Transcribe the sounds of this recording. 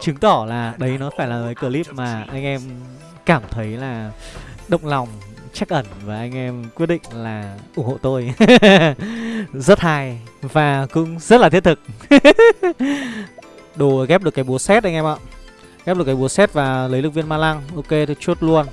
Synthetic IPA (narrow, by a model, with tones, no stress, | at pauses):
t͡ɕɨ˨˦ŋt̪ɔ˧˩laː˨˩ɗə˨˦jnɔ˨˦faː˧˩jlaː˨˩əː˨˦jkəː˧li˦˥p̚maː˨˩ʔa˧jŋ̟ʔɛ˧m | kaː˧˩mt̪ʰə˨˦jlaː˨˩ɗə̰˧˨wŋ͡mlɔ˨˩wŋ͡m | t͡ɕa˦˥k̚ʔə˧˩nvaː˨˩ʔa˧jŋ̟ʔɛ˧mkwt̚ɗḭ̈˧˨ŋ̟laː˨˩ʔʊ˧˩ŋho̰˧˨t̪o˧j | zə˦˥t̚haː˧jvaː˨˩kʊ̰˧˥ŋ͡mzə˦˥t̚laː˨t̪ʰi˦˥ət̪ʰɨ˨˩k̚ | ɗo˨˩˨ɣɛ˦˥p̚ɗɨ˨˩əkːaː˨˦jɓu˨˦əsɛ˦˥t̚ʔa˧jŋ̟ʔɛ˧mʔa̰˧˨ | ɣp̚ɗkaː˨˦ɓu˨˦əsɛ˦˥t̚vaː˨˩lə˨˦jlɨ˨˩k̚vi˧ənmaː˧la˧ŋʔo˧ke˧t̪ʰo˧˩t͡ɕu˦˥ət̚lu˧ən